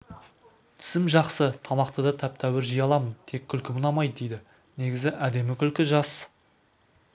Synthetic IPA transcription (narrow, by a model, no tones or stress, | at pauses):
t̪ʰɪ̥sɪmʒɑqsət̪ʰɑmɑqt̪əd̪ɑt̪ʰæp̚t̪ʰæwɪɾʒijɑlˠɑmənt̪ʰe̞kʲʰːʏlkʲɪbʊnɑmɑjd̪əd̪e̞jd̪ɪ | ne̞ɡʲɪzɪʔæd̪e̞mɪkʲʰʏlkʲɪʒɑs